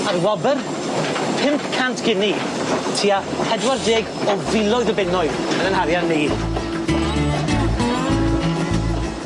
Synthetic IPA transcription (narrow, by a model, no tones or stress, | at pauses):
arwɔbər | pʰɪmpkʰantʰɡ̥ɪni | tʰia | hɛdwardeːɡɔvɪlˠɔɨðəbɪnɔɨðənənhaɾjannːiː